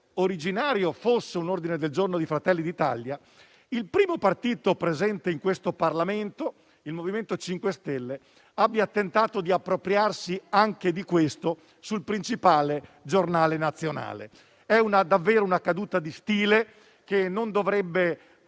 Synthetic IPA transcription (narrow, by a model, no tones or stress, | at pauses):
oɾid͡ʒinaːɾjofosːeunord̪ined̪eld͡ʒornod̪ifɾat̪ɛlːid̪it̪a̰lja | ilpɾiːmopart̪iːt̪opɾezɛnt̪eiŋkwest̪oparlament̪o | ilmoviment̪ot͡ʃiŋkwest̪ɛlːe | abːjat̪ent̪aːt̪od̪iapːɾopɾjarsiaŋk̟ed̪ikwest̪o | sulpɾint͡ʃipaːled͡ʒornaːlenat̪sːjona̰ːlḛ | ɛunad̪avːeːɾounakad̪uːt̪ad̪ist̪iːle | k̟enːond̪ovɾɛbːe